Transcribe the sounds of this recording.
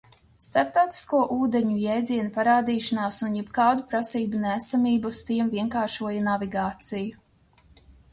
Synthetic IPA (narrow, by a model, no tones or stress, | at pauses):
st̪aɾp̚t̪awt̪i̥skuɔʔuːd̪eɲujɛjd̪ziɛnupaɾaːd̪iːʃanaːsunjɛbkaːd̪upɾasiːbunæːsamiːbust̪iɛmviɛŋkaːɾʃuɔjanaviɡaːt̪siju